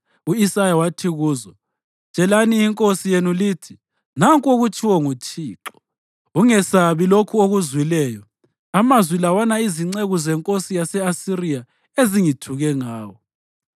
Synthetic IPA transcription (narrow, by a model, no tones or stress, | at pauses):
uisajawatʰiɣuːzɔ̥ | t͡ʃʼɛlaniiŋkʼosijenulitʰi | naŋkʼoɣut͡ʃʰʼiwɔŋut͡ʃʰʼiːǁɔ̥ | uŋɛsaβilokʰuoɣuzwilɛːjɔ | amazwilawanaiziŋ͡ǀeɣuzɛŋkʼosijasɛasiɾija | eziŋitʰuɣɛŋaːwɔ